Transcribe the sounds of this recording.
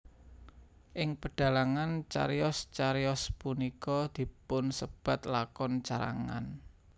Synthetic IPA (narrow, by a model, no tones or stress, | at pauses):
ʔɪŋpəɖ̥a̤laŋant͡ʃa̰ɾjɔst͡ʃaɾijɔspunikɔd̪̥i̤pʊnsəb̥a̤t̪lakɔnt͡ʃaɾa̰ŋa̰n